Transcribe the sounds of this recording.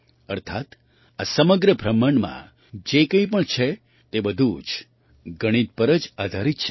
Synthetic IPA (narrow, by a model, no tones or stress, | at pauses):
ə̰ɾt̪ʰat̪ | asəməɡɾəbʱɾəməɳmã̰ | d͡ʒekə̃ĩpəɳt͡ʃʰe | t̪ebəd̪ʱud͡ʒ | ɡəɽ̃it̪̚pəɾəd͡ʒad̪ʱaɾit̪t͡ʃʰɛ